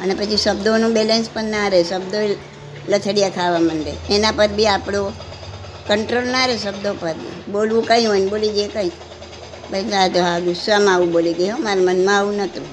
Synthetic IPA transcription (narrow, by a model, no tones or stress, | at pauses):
ənepət͡ʃʰisəb̚d̪ʱonũbelenspəɾnaɾesəbd̪ʱoe | lət̪ʰəɽijakʰaʋamənɾḛenãpəɾbʱiapɽ̃o | kəɳʈɾolnaɾesəbd̪ʱopəɾbḭbolʋũkəĩɦonbolid͡ʒekəi | bədat̪oɦaɡ̪usʋamãaʋũboliɡəjomaɾamənmãaʋũnət̪ũ